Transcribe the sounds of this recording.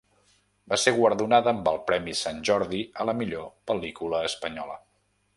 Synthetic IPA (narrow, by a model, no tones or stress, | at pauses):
baseɾɣwəɾðunaðəːmbəlˠpɾɛmisanʲʒɔɾðiələmiʎopəlikuləːspəɲɔlə̰